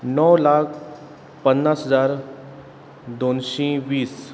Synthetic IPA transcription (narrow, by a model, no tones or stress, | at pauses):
nɔwlakʰ | pənːasɦəd͡zaɾ | d̪onɕĩʋiːs